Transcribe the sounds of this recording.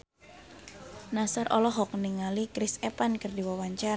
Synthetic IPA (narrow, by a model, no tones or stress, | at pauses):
nasaɾʔɔlɔɦɔk̚niŋalikɾɪsepankərdiwawaɲt͡ʃar